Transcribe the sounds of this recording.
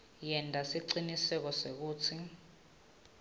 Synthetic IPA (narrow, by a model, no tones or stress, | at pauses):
jɛntʼasiǀinisɛk̬ɔsek̬uːt͡sʰi